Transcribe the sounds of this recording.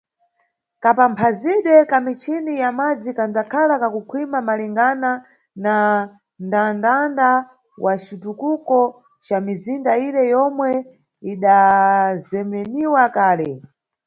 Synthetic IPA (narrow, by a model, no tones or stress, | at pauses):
kapampʰaziɗwɛkamit͡ʃʰinijamad͡zikand͡zakʰalakakukʰwimamaliŋɡana | na | ndandanda | wat͡ʃitukukɔ | t͡ʃamizindaiɾɛjɔmwɛ | iɗazɛmɛniwakaːlɛ